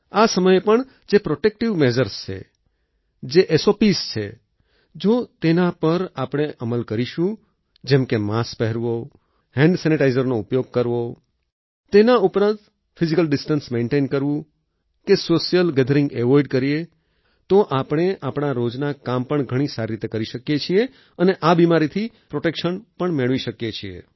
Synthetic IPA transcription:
asəməjepəɳ | d͡ʒepɾoʈek̚ʈiʋmɛd͡ʒəɾst͡ʃʰḛ | d͡ʒeʔesopist͡ʃʰḛ | d͡ʒot̪enapəɾapɽ̃eʔəməlkəɾiʃũ | d͡ʒɛ̃mkemaspɛɦɛɾʋo | hɛ̃ɳɖsɛniʈaizəɾnoupjoɡ̚kəɾʋo | t̪enaupɾãnt̪ | fɪzikəlɖɪsʈənsmeɳʈenkəɾʋũ | kesosijəlɡɛd̪ʱəɾɪ̃ŋɡɛʋɔjɖkəɾie | t̪oʔapɽ̃eʔapɳ̃aɾod͡ʒnakampəɳɡʱəɽ̃isaɾiɾit̪ekəɾiʃəkjet͡ʃʰie | əneʔabimaɾit̪ʰi | pɾoʈekʃənpəɳmeɭʋiʃəkjet͡ʃʰiḛ

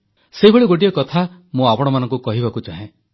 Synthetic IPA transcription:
seɦibʱeɭiɡoʈ̬ijɔkɔt̪ʰamũapɔɽ̃ɔmanɔ̃ŋkukɔɦibakud͡ʒaɦẽ

